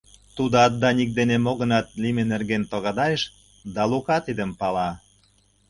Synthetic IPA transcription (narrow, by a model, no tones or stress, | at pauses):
t̪ud̪oɑd̪ːɑnik̚d̪enemoɣə̆nɑt̪limenerɣent̪oɣɑd̪ɑjeʃ | d̪ɑlukɑt̪id̪əmpɑlɑ